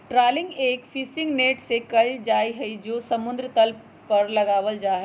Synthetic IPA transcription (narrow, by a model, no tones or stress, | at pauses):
ʈɾaːlɪ̃ŋɡeːkfʰiːsɪ̃ŋɡneːʈsekɐld͡ʒaːiɦɐid͡ʒoːsɐmʊ̃nd̪ɾət̪əl | pɐɾlɐɡaːʋəld͡ʒaːɦɛ